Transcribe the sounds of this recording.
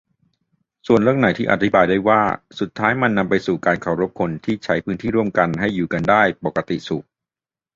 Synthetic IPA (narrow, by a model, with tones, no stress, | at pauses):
su˨˩ənlɾɯ˥˩əŋna˩˦jt̪ʰiː˥˩ʔa̰˨˧˩t̪ʰi˦˥baː˧jdaː˥˩jwaː˥˩su˨˩t̪ʰːaː˦˥jma˧nːa˧mpa˧jsuː˨˩kaː˧nkʰa˨˩wɾo˦˥p̚kʰo˧nt̪ʰiː˥˩t͡ɕʰa˦˥jpʰɯː˦˥nt̪ʰiː˥˩ɾu˥˩əmka˧nɦa˥˩jːuː˨˩ka˧ndaː˥˩jpɔ˨˩kːa˧t̪ḭ˨˩su˨˩k̚